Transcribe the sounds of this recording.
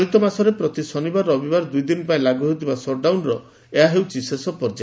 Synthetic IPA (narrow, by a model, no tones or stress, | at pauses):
ɾit̪ɔmasɔɾepɾɔt̪isɔnibaɾɔbibaɾd̪ujd̪inɔpaĩlaɡuɦewt̪ibasɔɖawnɾɔ | eɦaɦewt͡ʃʰisesɔpɔɾd͡ʒa